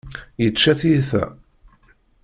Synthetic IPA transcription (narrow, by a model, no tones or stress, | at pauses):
jət͡ʃːæθiθæ̰